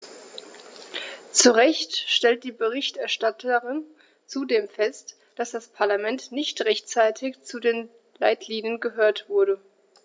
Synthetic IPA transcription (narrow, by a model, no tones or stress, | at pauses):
t͡suʁɛçtʃtɛlt̚d̥iːbəʁɪçtɛɐʃtatʰəʁɪn | t͡sudeːmfɛst | d̥asd̥aspʰaɐlamɛntnɪçtʁɛçtt͡saɪtʰɪçt͡sudeːn | laɪtʰliːnjənɡəɦøːɐtv̥ʊɐɾə